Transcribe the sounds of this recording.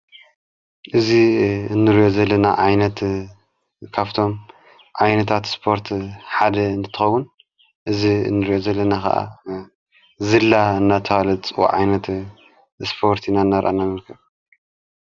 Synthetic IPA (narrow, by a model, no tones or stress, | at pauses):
ʔɨziɨnːɨɾijo̞zɐlːɐnaʕajnɐt̪ | kʰaβt̪ʰo̞m | ʕajnɐt̪ʰat̪spʰo̞ɾt̪ħad̪ɐɨnt̪ɨt̪ʰɨxɐwːun | ʔɨzḭnːɨɾijo̞zɐlːɐnakʰɐ̰ʔa̰ | zɨlːaɨnːat̪ʰɐwalɐt͡sʼɨwo̰ʕa̰jnɐt̪ | spʰo̞ɾt̪ʰinaɨnːaɾʔa̰namɐlkʰɐβ